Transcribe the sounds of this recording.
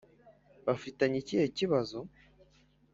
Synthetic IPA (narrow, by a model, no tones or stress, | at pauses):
βafitaɲiciheciβazo